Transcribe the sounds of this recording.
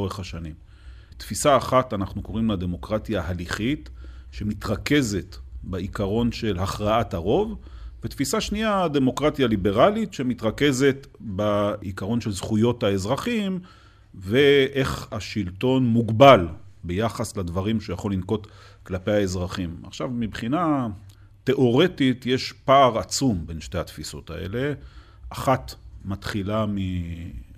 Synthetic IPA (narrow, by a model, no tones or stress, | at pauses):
oʁeχhaʃanim | t̪fisaːχatanaχnuko̞ʁimlad̪e̞mo̞kʁat̪jaːɦaliχit̪ʃe̞mit̪ʁake̞ze̞tbaikaʁo̞nʃe̞lhaχʁaataʁo̞v | vet̪fisaʃniade̞mo̞kʁat̪jalibe̞ʁalitʃe̞mit̪ʁake̞ze̞t̪baikaʁo̞nʃe̞lzχujo̞thae̞zʁaχim | veʔe̞χaʃilto̞nmuɡbalbejaχasladvaʁimʃejaχolinko̞t̪ | klapejae̞zʁaχima̰χʃavmibχina | t̪e̞ʔo̞ʁe̞tit̪jeʃpaːʁat͡sumbe̞nʃte̞hat̪fiso̞̰t̪a̰e̞̰le̞ | aχat̪mat̪χilami